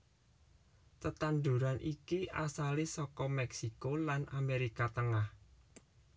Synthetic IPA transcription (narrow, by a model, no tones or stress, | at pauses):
t̪ət̪and̪ṳɾanʔikiʔasalesɔkɔmɛksikolanʔameɾikat̪əŋah